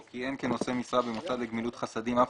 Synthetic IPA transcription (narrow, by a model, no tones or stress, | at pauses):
kienkeno̞semisʁabemot͡sadleɡmilut̪χasadimaf